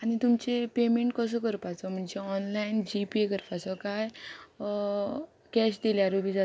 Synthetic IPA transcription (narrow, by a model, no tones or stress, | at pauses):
anit̪umt͡sepemẽɳʈ̚kəs̬əkəɾpat͡sɔm̤əɳd͡ʑeɔnlaind͡ʑipiekəɾpat͡sɔkaj | kɛɕd̪iljaɾobʱid͡zat